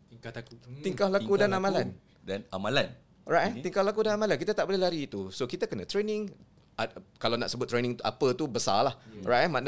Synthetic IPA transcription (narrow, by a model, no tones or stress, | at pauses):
t̪iŋkalakudanamãlan | danamalan | rajʔt̪iŋkahlak̬udanamãlank̬it̪at̪aʔbolɛɦlaɾiːt̪usokit̪akənə̃t̪ɾenɪ̃ŋ | akalanaʔsəbʊt̪ːɾenĩŋt̪uʔa̰pət̪ubəsa̰lahrajʔman